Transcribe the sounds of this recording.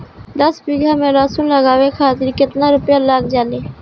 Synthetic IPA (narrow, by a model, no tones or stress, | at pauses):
d̪əsbiːɡãːmẽːlaːsũnləɡaːʋekʰaːt̪ɪɾkɪt̪naːɾʊpjaːlaːkd͡ʒaːleː